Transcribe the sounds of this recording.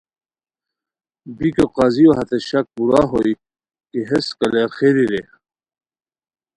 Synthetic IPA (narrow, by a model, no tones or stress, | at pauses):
bikoqɑzioɦɐt̪eɕɐk̚puɾaɦoi | kiɦeskɐleɾxeɾiɾe